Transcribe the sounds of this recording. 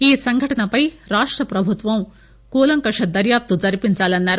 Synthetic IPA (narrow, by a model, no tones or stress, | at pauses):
iːsɐŋɡʱɐʈɐnɐpɐjɾaːʂʈɾɐpɾɐbʱut̪ʋɐ̃w̃ | koːlɐŋkɐʂɐd̪ɐɾjaːp̚t̪ud͡zɐɾipint͡saːlɐnːaːɾ